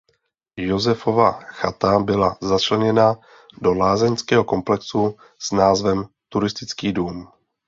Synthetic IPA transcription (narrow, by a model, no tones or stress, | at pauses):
jo̞zɛfo̞vaxat̪abɪlazat͡ʃlɛɲɛna | do̞laːzɛɲskɛːɦo̞ko̞mplɛksu | snaːzvɛm | t̪uɾɪst̪ɪt͡skiːduːm